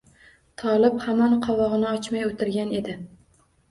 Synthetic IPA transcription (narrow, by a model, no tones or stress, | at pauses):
t̪ʰɒlˠɪphamɒnqʰɒvɒʁɨnɪɒt͡ʃmajot̪ʰɪɾɡʲane̞d̪ɪ